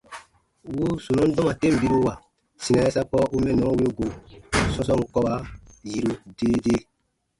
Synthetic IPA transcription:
wu˦su˨nɔ̃˦dɔ̃˦ma˨te˦˨m̩˨bi˦ɾu˦wa˨ | sĩ˨nɛ̃˨˦ɛ˦sa˦pɔ˦u˦mɛ̃˦˨nɔ̃˨˦we˦o˦ɡo˨sɔ̃˧sɔ̃˦ŋu˨˦kɔ˦ba˧ji˦ɾu˧deː˦deː˦

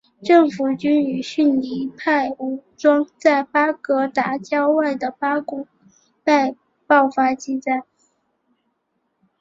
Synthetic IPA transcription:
ʈ͡ʂɤ˥˩ŋfu˨˩t͡ɕy˥ny˨˩ɕy˥˧nli˧˥pʰa˥˩ɪu˨˥˩ʈ͡ʂwɑ˥ŋt͡sa˥˩ɪpa˥kɤ˧˥t̪a˧˥t͡ɕjɑ˥ʊwa˥˩ɪd̪ə˩pa˥kʊ˨˥˩ŋ | pe˥˧ɪ | pɑ˥˩ʊfa˥t͡ɕi˥˧t͡sa˥˩ɪ

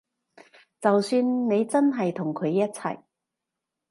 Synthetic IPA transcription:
t͡sɐ˨wsyː˧nne˨˧jt͡sɐ˥nɦɐ˨jt̪ʰʊ˨˩ŋkʰɵ˨˧ɥjɐ˥t̚t͡sʰɐ̰˨˩j

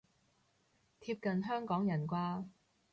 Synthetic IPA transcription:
t̪ʰiː˧p̚kɐ˨nɦœː˥ŋkɔː˨˥ŋjɐ˨˩nkʷaː˥

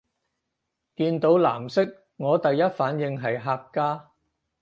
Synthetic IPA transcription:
kiː˧nt̪o˨˥wla̰ː˨˩msɪ˥k̚ | ŋɔː˨˧t̪ɐ˨jɐ˥t̚faː˨˥njɪ˧ŋɦɐ˨jɦaː˧kːaː˥

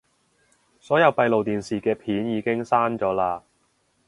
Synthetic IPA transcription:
sɔː˨˥jɐ˨˧wpɐ˧jlo˨wt̪iː˨nsiː˨kɛː˧pʰiː˨˥njiː˨˧kɪ˥ŋsaː˥nt͡ʃɔː˨˥laː˧

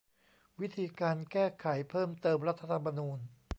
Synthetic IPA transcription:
wi˦˥t̪ʰiː˧kaː˧nkɛː˥˩kʰa˩˦jpʰɤː˥˩mt̪ɤː˧mɾa˦˥t̪ʰa˧t̪ʰa˧mːa˧nuː˧n

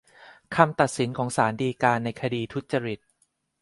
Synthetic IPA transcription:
kʰa˧mt̪a˨˩t̪̚si˩˦nkʰɔː˩˦ŋsaː˩˦ndiː˧kaː˧nːa˧jkʰa˧diː˧t̪ʰu˦˥t̪̚t͡ɕa˧ɾi˨˩t̪̚

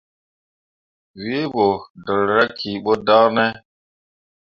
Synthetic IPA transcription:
wi˦e˦bo˨dɔ˨lɾa˦kʰi˨ɓo˦da˦nɛ˦

